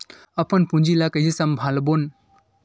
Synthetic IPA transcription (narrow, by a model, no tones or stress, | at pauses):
əpənpũnd͡ʒilakəjisəmbʱalbon